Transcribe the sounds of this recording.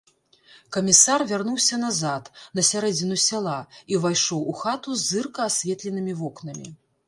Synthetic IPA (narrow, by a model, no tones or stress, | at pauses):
kɐmʲisarvʲarnuwsʲɐnazat̪nɐsʲaɾɛd͡zʲinusʲalˠaivajʂɔwuxat̪uzːɨrkɐːsʲvʲɛt̪lʲɛnɨmʲivɔknɐmʲḭ